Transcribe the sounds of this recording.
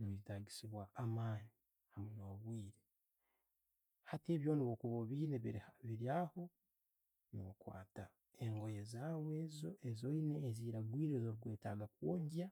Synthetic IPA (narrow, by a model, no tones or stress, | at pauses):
nβiɾitaɟisiβwaʔːmaːɲi | hamunoβwiːɾe | hate̞ːβjo̞ːniβokuβoβiːneβiɾhaβiɾjaːho̞ | no̰kwa̰ːta | eŋɡo̞jezawezoezo̞ineːziːɾaɡwiːɾe̞zoɾuɡwe̞ːtaɡakwoːɲɟa